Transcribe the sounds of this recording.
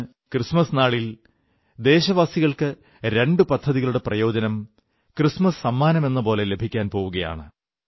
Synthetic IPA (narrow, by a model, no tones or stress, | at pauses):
krismɐsnaːɭil | d̪e̞ːɕɐʋaːsiɣɐɭkɨ | ɾe̞ɳɖɨpɐd̪ʱːɐðiɣɐɭuɽe̞prɐjo̞ːd͡ʑɐnɐm | krismɐssɐmːaːnɐme̞nːɐpo̞ːle̞le̞bʱikʲːaːnpo̞ːʋuɣɐja̰ːɳɨ